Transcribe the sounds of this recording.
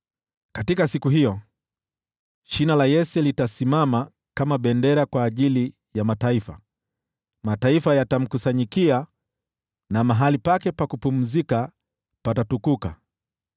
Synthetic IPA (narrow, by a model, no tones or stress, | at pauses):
katikasikuɦiɔ | ʃinalajɛsɛlitasimama | kamaɓɛndɛɾakwaːʄili | jamataifa | mataifajatam̩kusaɲikia | namaɦalipakɛpakupum̩zika | patatukuka